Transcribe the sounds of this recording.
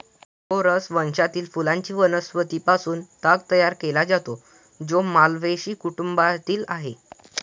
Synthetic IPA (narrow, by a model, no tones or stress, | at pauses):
ɦoɾəsʋənɕat̪iːlfulãɲt͡ɕiːʋənəsʋət̪iːpasuːnt̪aɡt̪əjaɾkelad͡zat̪o | d͡zomalʋeɕiːkuʈumbat̪iːlaɦe